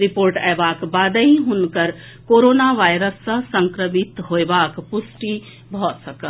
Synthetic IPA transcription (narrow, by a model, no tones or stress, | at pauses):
ɾipoːɾʈɛːbaːkbaːd̪əɦiɦʊnkəɾ | koːɾoːnaʋaːjɾəsːəsə̃ŋkɾəmɪt̪ɦoebaːkpʊsʈi | bʱɔsəkə